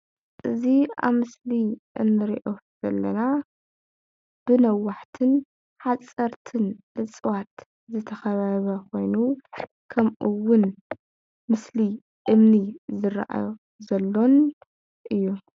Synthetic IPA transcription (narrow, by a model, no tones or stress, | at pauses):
ʔɨzia̰βmɨsliʔɨ̰nːɨɾiʔo̞ | z̥ɐlːɐna | b̥ɨnɐwːaħt̪ʰɨn | ħat͡sʼɐɾt̪ʰɨn | ɨt͡sʼɨwat̪ | zɨt̪ʰɐxɐβaβɐkʰo̞jnu | kʰɐmʔɨwːʊn | mɨsli | ʔɨmnizɨɾa̰ʔa̰jo | zɐlːo̞n | ʔɨjːu